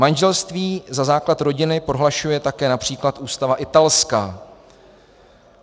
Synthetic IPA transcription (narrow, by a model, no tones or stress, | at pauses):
manʒɛlst̪viːzazaːklat̪ɾo̞ɟɪnɪpɾo̞ɦlaʃujɛt̪akɛːnapr̝̥iːklat̪ʔuːst̪avaʔɪt̪alskaː